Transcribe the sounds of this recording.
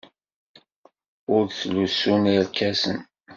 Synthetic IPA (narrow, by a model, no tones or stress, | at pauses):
ʊɾθlusːuniɾkæsən